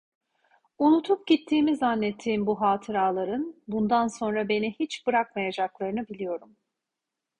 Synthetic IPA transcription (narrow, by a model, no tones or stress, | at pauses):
unut̪ʰup̚ɟit̪ʰːiːmizanːɛt̪ʰːiːmbuɦaːt̪ʰɯɾaːlˠaɾɯnbund̪anso̞nɾabe̞nihit͡ʃb̥ɯɾak̚majad͡ʒaklˠaɾɯnɯbilʲijo̞ɾum